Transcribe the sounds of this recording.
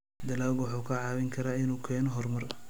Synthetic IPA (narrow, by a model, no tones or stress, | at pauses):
d̪ɐlaːlɡwʊħuːkʰɐʕɑːβɪŋkʰɐɾaːɪnuːkʰɛːnɔɦɔrmɐr